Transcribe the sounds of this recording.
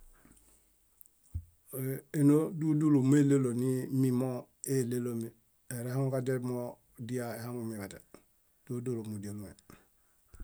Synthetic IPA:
e˦no˦du˦du˦lu˨me˦le˦lo˨ni˦mi˦mo˦ | e˦le˦lo˨mi˨ | e˨ɾeha˦ŋukade˦mo | di˦ja˨eha˦ŋumi˨bate˨ | d̥u˦du˦˨lo˨mu˨die˨lume˨

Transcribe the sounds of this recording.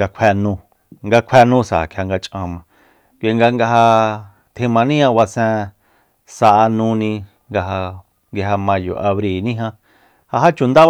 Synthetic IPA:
a˧kʷʰe˧nũ˧ | ŋɡa˧kʷʰe˧˦nũ˦sa˨a̰˨kʰja˧ŋɡa˧t͡ʃʼã˧mã˧ | kʷːŋɡa˧ŋɡa˧ɦa˧ | t̪ʰĩ˧mã˧nĩ˦ã˧wa˧sẽ˧ | sa˧ʔa˧nũ˧nĩ˧ | ŋɡa˧ɦa˧ | ŋɡi˧ɦa˧mã˧jo̰˨ʔa˧βɾi˧˨nĩ˦ɦã˧ | ha˧ɦa˦t͡ʃu˨nd̪a˦

